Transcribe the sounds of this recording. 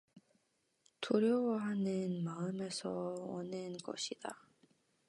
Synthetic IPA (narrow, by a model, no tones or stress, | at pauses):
toɾjowaɦanɯnmaɯme̞sʰʌwʌ̰nɯnɡʌ̰ɕʰid̥a